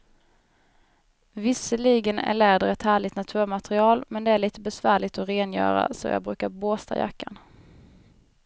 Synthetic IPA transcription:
vɪsəliːɡənæ̰ɭɛːd̪əɾɛt̪hæːɭɪt̪nat̪ʰʉ̟ːɾmat̪ɾɪɑːlmɛnd̪ɛæɭiːt̪əbɛsvæːɭɪɡt̪ɔɾeːnjœ̰ːɾa̰sɔ̰jɑ̰ːɡbɾʉ̟ːkaɾboːst̪ʰa̰ja̰kːan

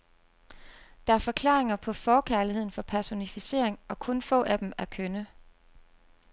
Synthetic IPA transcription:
d̥ɑ̈æɐfɒ̽kʰlɑ̰̈ːʁe̝ŋɐpʰɒ̽fɒːkʰæɐlihe̝ð̰ˠn̩fɒ̽pʰæɐso̝nifise̝ɐ̰e̝ŋɒ̽kʰɔ̽nfɔ̰̽ːʔæd̥emæɐkʰønə

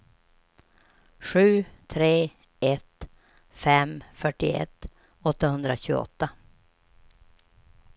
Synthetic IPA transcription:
ɧʉ̟ːt̪ʰɾeː | ɛt̪ | fɛmfœʈːɪ̰ɛ̰t̪ː | ɔt̪ːahɵnd̪ɾaɕʉ̟ːɡə̰ɔ̰t̪ːa

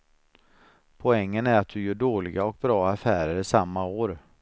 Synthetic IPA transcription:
pʰɔɛŋːənæɾat̪̚d̪ɵjœːɖoːlɪɡaɔk̚bɾɑːafæːɾəɾɪsamːaoːɾ

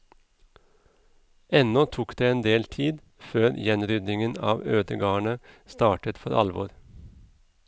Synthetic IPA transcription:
ɛnɔt̪ʰuːkd̪eːeːnd̪eːlt̪ʰiːd̪ | føːɾjɛnɾʏd̪nɪŋənɑ̰ːʋøːd̪əɡɑːəɳəst̪ɑːʈət̪fɔɾʔɑ̰lʋɔ̰ɾ

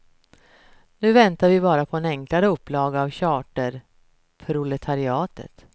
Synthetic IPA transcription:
nʉ̟ːvɛnt̪aɾvɪbɑːɾapʰɔɛnɛŋklaɾəɵpːlɑːɡəavɕɑːʈəɾ | pʰɾʊlɛt̪ʰaɾɪɑːt̪ə̰t̪

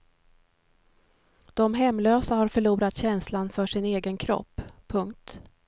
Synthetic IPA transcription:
d̪̥ɔmɦɛmːløːsahaɾfœɭuːɾat̪ɕɛnslanfœʂɪneːɡənkʰɾɔ̰pːʰɵŋkt̪

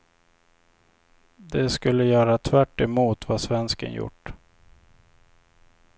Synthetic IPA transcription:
d̪ɛskɵlːəjœːɾat̪ʰvæʈːɛmuːt̪vasvɛnskə̰njʊ̰ʈː

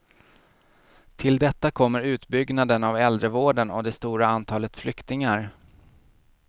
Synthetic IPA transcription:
t̪ʰɪld̪ɛt̪ːakʰɔmːəɾʉ̟ːt̪bʏɡnad̪ənavɛld̪ɾəvoːɖənɔ̰d̪ɛst̪uːɾaant̪ʰɑːlət̪flʏkt̪ɪŋaɾ

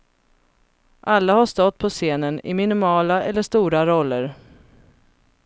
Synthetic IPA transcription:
ʔalːahaʂt̪ɔt̪̚ːpʰɔseːnənɪ̰mɪnɪmɑːlaʔɛlːəʂt̪uːɾaɾɔlːəɾ

